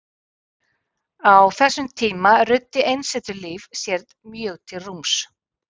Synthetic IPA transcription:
awθɛsːʏmt̪ʰiːmarʏt̪ːɪʔejnsɛt̪ʏliːvsjɛɾðmjœːɣt̪ʰɪlrums

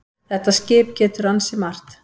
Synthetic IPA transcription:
θɛht̪ːascɪːp̚cɛːt̪ʏɾansɪmar̥t̪

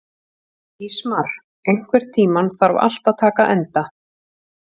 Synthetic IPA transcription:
ismar̥ | ejŋ̥kvɛɾ̥t̪ʰiːmanθaɾva̰l̥t̪aðt̪ʰaːkaʔɛnt̪a

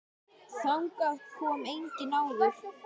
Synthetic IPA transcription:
θaŋkaht̪kʰɔmejɲcɪnaːwðʏɾ̥

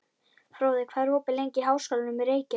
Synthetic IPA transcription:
fɾoːwðɪkʰvaːðɾ̥hoːpɪlejɲcɪɦaːwskalɪnʏmɛɾeːjcɪ

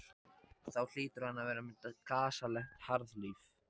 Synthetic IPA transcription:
θawl̥ɪːt̪ʏɾ̥hanːavɛːɾamɛakʰaːsalɛxt̪haɾðliːf

